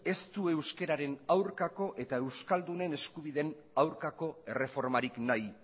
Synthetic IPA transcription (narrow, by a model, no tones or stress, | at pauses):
e̞st̪ue̞wske̞ɾaɾe̞nawɾkako̞ʔe̞t̪ae̞wskald̪une̞ne̞skuβ̞iðen | awɾkako̞ere̞fo̞ɾmaɾiknaj